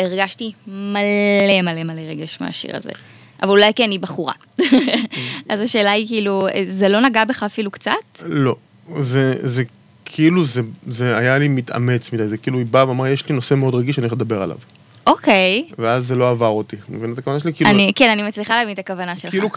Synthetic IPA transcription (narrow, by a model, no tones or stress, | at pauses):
eʁɡaʃtimale̞male̞maleʁeɡeʃmḛa̰ʃḭʁa̰zḛ | ʔavalulajkenibaχuʁa̰ | ʔazaʃe̞ːlaikiiːluezelo̞naɡabeχaːfilukt͡satlo̞ | zeze | kʰiiluzezeajalimit̪a̰met͡smid̪ajzekiiːluibaveamaʁjeʃlinose̞meod̪ʁaɡiʃanieled̪abe̞ʁa̰la̰v | ʔokʰejveazːelo̞avaʁot̪imevinat̪akavanaʃelikilanikenanimat͡sliχalavint̪akavanaʃelilu